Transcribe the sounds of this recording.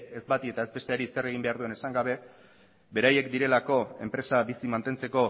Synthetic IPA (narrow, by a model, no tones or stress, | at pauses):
ezbat̪ie̞t̪ae̞zbe̞st̪eaɾisere̞ɣ̞imbe̞aɾðue̞nesaŋɡaβ̞e̞ | be̞ɾaje̞kd̪iɾe̞lako̞e̞mpɾe̞sabisimant̪e̞nt͡se̞ko̞